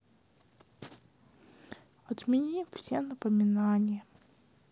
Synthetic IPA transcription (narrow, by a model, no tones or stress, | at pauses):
ɐt̪mʲɪnʲimfsʲenəpəmʲɪnanʲɪjə